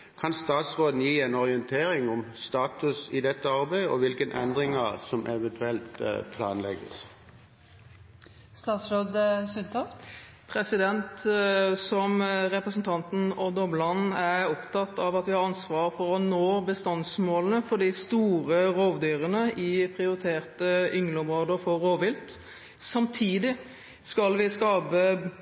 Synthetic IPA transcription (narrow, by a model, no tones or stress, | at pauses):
kʰɑnst̪ɑːt̪sʁoːd̪n̩jiːɛnɔʁɪɛnt̪ʰeːɾɪŋʊmst̪ɑːt̪ʉsɪd̪ɛt̪ːəɑɾbæɪɔʋɪlkənʔɛ̰nd̪ɾɪŋɑsɔmʔɛʋɛnt̪ʰʉɛlt̪pʰlɑ̰ːnlɛ̰ɡə̰s | st̪ɑːt̪sɾoːd̪sʉnt̪ʰɔf | pʰɾɛsɪd̪ɛnt̪sɔmɾɛpɾəsnt̪ʰɑnt̪n̩ɔd̪ɔblɑn̩æɾɔpt̪ʰɑt̪ːɑʋɑt̪ʋɪhɑɾɑnsʋɑːɾfɔɾɔnoːbəst̪ɑnsmoːlənəfɔɖ̪ɪst̪uːɾəɾoːʋd̪yːɾənəʔɪpʰɾɪʊɾɪt̪ʰeːʁt̪əʏŋlɔmʁoːd̪əfɔɾoːʋɪlt̪ | sɑmt̪ʰiːd̪ɪ | skɑlʋɪskɑːpə